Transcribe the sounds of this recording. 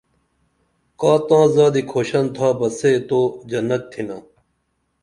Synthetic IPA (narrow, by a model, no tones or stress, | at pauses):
kaːt̪ãːzaːd̪ikʰoːɕɐnt̪ʰaːpɐseːt̪oːd͡ʑɐnɐk̪̚t̪ʰinaː